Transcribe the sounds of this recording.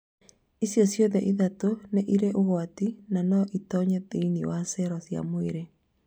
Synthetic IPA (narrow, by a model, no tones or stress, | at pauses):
isjɔsjoðɛʔiðatoneʔiɾeʔoɣwatinanɔʔitɔɲɛðiniwasɛɾɔsja̰moeɾe